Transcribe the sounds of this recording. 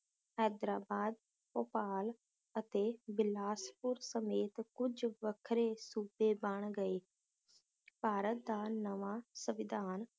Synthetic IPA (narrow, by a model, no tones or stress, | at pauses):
ɦɛːd̪ɾaːbaːd̪̚ | poːpaːl | ət̪eːbɪlaːspʊɾsəmeːt̪kʊd͡ʒʋəkʰɾesuːbeːbəɳ̃ɡəeː | paːɾət̪̚d̪aːnəʋaːsəʋɪd̪ʱaːn